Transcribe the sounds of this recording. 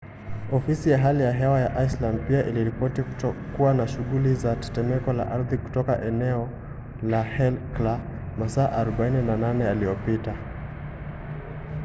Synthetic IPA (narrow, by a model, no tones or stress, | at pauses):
ɔfisijaɦalijaɦɛwajaʔaisland̚piaʔiliɾipɔtikuwanaʃuɣulizatɛ̥tɛmɛkɔla̰ʔaɾðiku̥tɔka̰ʔɛnɛɔ | lahɛlkla | masaːʔaɾɔɓaininananɛaliɔpita